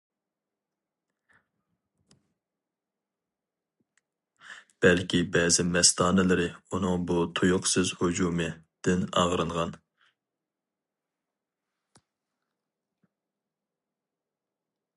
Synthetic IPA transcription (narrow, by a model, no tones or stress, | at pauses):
b̥ɛlkʲʰibɛːzɪmɛst̪ʰɑːnɪlɪɾɪunɨŋbut̪ʰujʊqsɨzhod͡ʒumɨd̪̥ɪnɑʁɾɨɴʁɑn